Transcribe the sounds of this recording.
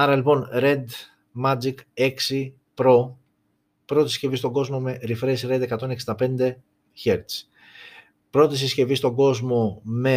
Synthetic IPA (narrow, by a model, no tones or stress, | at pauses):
ɐɾɐlipo̞nɾe̞d̪ | mɐd͡zike̞ksi | pɾo̞ | pɾo̞t̪isce̞vist̪o̞ɡo̞zmo̞me̞ɾifɾesɾe̞d̪e̞kɐt̪o̞neksind̪ɐpe̞nd̪e̞ | çeɾt̪s | pɾo̞t̪is̬isce̞vist̪o̞ɡo̞zmo̞me̞